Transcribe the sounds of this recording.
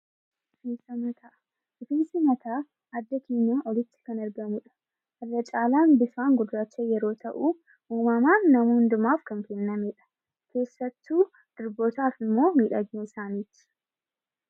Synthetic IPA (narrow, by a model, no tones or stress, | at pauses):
ʊfiːsɐmɐt̪aː | ʊfiːnsɐmɐt̪ʰaː | ɐd̪ːɐkeːɲːaːʔɔlɪt̪ːɪ̥kɐnɐɾɡɐmʊᶑɐ̥ | ɐrːɐt͡ʃʼaːlaːnbɪfaːŋɡʊdːat͡ʃːejɛɾo̞ːt̪ʰɐʔu | ʔuːmɐmaːnːɐmuːnd̪ʊmaːfkɐŋkɛnːɐmeːᶑɐ̥ | kʰe̞ːsːɐt̪ːuː | d̪̥ɪɾbot̪aːfɪmːo̞ːmiːᶑɐɡɲuːɪsaːniːt̪ɪ̥